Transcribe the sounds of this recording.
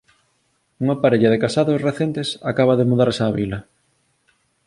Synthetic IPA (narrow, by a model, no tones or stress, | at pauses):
uŋɐpaɾeʎɐðekasaðosreθent̪esakaβ̞ɐðemuðaɾsaːβilɐ